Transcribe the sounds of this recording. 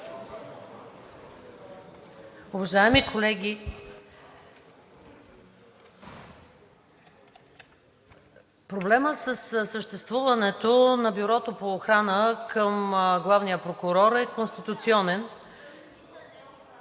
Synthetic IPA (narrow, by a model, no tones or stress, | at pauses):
ʊvɐʒaɛmikʰolɛɡʲi | pɾoblɛməsəssəʃt̪ɛst̪vuvɐnɛt̪onɐbiɾɔt̪opoːxɾanəkʰəmɡlˠavnijəpɾokʊɾɔɾɛkonst̪it̪ut̪siɔnɛn